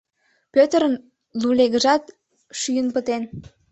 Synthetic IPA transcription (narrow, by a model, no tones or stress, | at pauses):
pøt̪əɾən | luleɣəʒɑt̪ | ʃyjənpət̪en